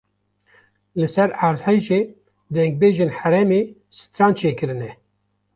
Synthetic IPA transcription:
lɨsɛɾaːɾzhejʒeː | d̪ɛŋɡ̚beːʒeːnħæɾɛmeː | sɨ̥t̪ɾɑːnt͡ʃʰeːkɨɾɨnɛ

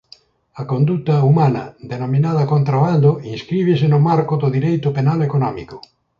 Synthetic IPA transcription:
akond̪ut̪ɐumãnɐ̰d̪enomĩnað̞ɐkont̪ɾaβand̪ʊĩnskɾiβ̞esenʊmaɾkʊðʊðiɾejt̪ʊpenalekonɔmḭkʊ

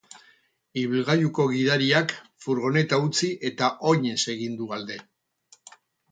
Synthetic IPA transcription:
iβilɣajuko̞ɣ̞iðaɾiakfuɾɣ̞o̞ne̞t̪aut͡siʔe̞t̪aʔo̞ɲe̞se̞ɣind̪uald̪e̞

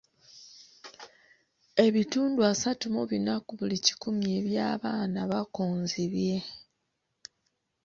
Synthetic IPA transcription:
e̞βituːnduasatumoβinakuβulici̥kumjeːβjaːβaːnaβakoːnziβje̞

